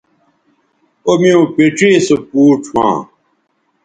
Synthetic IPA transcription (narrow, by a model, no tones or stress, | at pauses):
omiõːpeʈ͡ʂeːsopuːʈʰwã̰ː